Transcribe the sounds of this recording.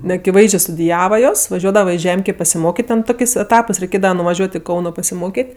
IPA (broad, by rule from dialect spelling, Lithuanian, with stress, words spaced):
nʲɛɐkʲɪˈʋɐɪzʲd͡ʒʲeː stʊdʲɪˈjæːʋɐ ˈjoːs ʋɐˈʒʲuɔdɐʋɐ ɪ ˈʒʲɛmʲkʲeː pɐsʲɪˈmoːkʲeːtʲ ˈtʲɛn ˈtoːkʲeːsʲ ɛˈtɑːpɜs rʲɛɪˈkʲeːdɐʋɐ nʊʋɐˈʒʲuɔtʲ ɪ ˈkɐʊnoː pɐsʲɪˈmoːkʲeːtʲ